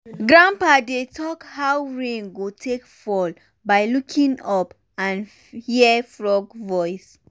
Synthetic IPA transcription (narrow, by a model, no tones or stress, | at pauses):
ɡɹãmpadetʰɔkhawɹẽŋɡotʰekfɔl | bajlukʰĩŋɔp | ãn | hifɹɔɡvɔjs